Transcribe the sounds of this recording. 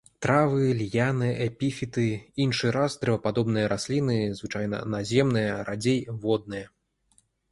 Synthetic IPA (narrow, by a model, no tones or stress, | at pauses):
t̪ɾavɨlʲjanɨʔɛpʲifʲit̪ɨinʂɨɾasd̪ɾɛvɐpad̪ɔbnɨjɐɾasʲlʲinɨzvɨt͡ʂajnɐ̰nazʲɛmnɨjɐɾad͡zʲejvɔd̪̚nɨjɐ